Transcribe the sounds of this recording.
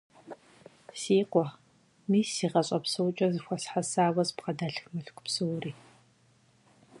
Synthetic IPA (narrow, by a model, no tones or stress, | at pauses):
siːqʷɔ | miːsiːʁɐɕʼɐpsɨwt͡ʃʼɐzɨxʷɔsħasaːwɐzpqɐdaːɬxmɨɬkʷʰʼpsɨwriː